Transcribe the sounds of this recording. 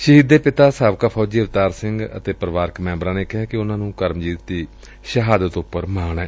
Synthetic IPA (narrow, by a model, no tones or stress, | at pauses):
ʃəɦiːd̪ːeːpɪt̪aːsaːʋkaːpʰɔːd͡ʒiːəʋt̪aːɾsɪ̃ŋɡə̰t̪eːpəɾʋaːɾkmɛ̃ːmbɾãːneːkɪɦaːkɪʊnãːnũːkəɾmd͡ʒiːt̪ːiː | ʃəɦaːd̪ət̪ʊpːəɾmãːɳɛː